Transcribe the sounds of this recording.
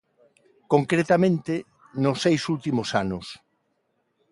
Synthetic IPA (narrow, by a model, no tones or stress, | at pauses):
koŋkɾet̪amẽnt̪e | nʊsːejsult̪imosanʊs